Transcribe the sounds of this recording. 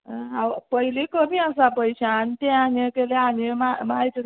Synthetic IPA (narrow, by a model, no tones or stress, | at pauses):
ɦawpəɦilikəmiasapəjɕant̪ɛ̃anekeleanemamajt̪